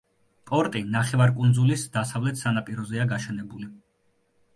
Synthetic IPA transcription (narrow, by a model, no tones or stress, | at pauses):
pʼɔɾt̪ʼinaχɛvaɾkʼund̪zulisd̪̥asavlɛt̪ʰsanapʼiɾɔzɛaɡaʃɛnɛbuli